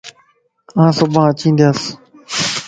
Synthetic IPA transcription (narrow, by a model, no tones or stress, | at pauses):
ãːsobãːt͡ɕĩːnd̪jaːs